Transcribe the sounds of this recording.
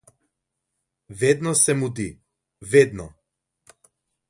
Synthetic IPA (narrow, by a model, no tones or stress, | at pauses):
vɛd̪nɔsɛmud̪i | vɛd̪nɔ